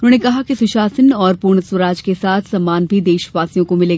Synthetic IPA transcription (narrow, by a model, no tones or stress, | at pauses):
ʊnõːnekɐɦakisʊʃaːsənɔːɾpuːɾɽ̃əswəɾaːd͡ʒkesaːt̪ʰsaːmaːnbʱid̪eːʃʋaːsijõkomɪleːɡ